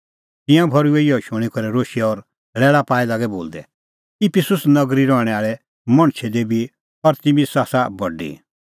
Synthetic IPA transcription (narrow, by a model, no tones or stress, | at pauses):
t̪ɪ̃jãbʱɔɾueiɔʃʊ̃ɽ̃ikɔɾɛɾoːʃiɛɔɾ | ɭɛːɭapaːilaɡɛbo̰ːld̪ɛ̰ | ɪpʰɪsʊsnɐɡɾiɾɔɽ̃ɛaːɭɛ | mɐ̃ɽ̃t͡ʃʰɛd̪ebʱi | ɔɾt̪ɪmisaːsabɔɖḭ